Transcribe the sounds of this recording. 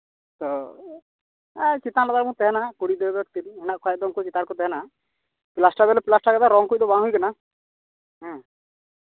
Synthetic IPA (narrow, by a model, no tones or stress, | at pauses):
t̪ɔ | ɛt͡ʃit̪alad̪aɾmũt̪ɛɦɛnaɦãkuɽid̪ɛɾd̪ɔʈt̪ilɛnaʔkʰɔjad̪ɔŋkut͡ʃit̪aɾkɔt̪ɛɦɛnaɦã | plasʈabɛlɛpilasʈakɛd̪aɾɔŋkujd̪ɔbãɦujkana | ɦɛ̃